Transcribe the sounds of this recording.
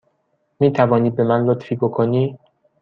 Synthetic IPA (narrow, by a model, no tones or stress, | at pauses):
miːt̪ʰævɒːniːd̪̚be̞mænlot̪fiːbokʰoniː